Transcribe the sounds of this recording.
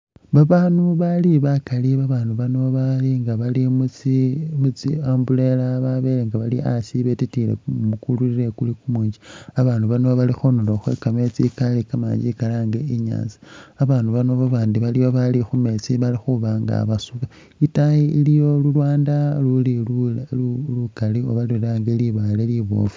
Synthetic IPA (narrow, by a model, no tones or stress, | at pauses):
βaβaːnuβaliβakaliβaβaːnuβano̞βaliŋɡaβalimut͡simut͡siaːmbule̞laβaβeleŋɡaβaliʔasiβetitile̞̰mukulwiɾiɾe̞kulikumuːɲd͡ʒiaβaːnduβanoβalixonoloxwḛkamet͡sikalikama̰ːɲd͡ʒikalaŋɡeiɲa̰ːnziaβaːnduβanoβaβaːndiβalijoβalixume̞t͡siβalixuβaŋɡa̰βasuβa | itajiilijo̞lulwaːndaluli | lukalio̞βaliɾaŋɡeliβaleliβo̰ːfu̥